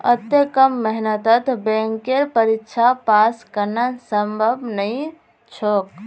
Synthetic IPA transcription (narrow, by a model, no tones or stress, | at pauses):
ə̰t̪ekəmːəɦnət̪ət̪bɛ̃ŋkeɾpəɾitːt͡ʃʰapaskəɾnansəmbʱəbnəj | t͡ʃʰok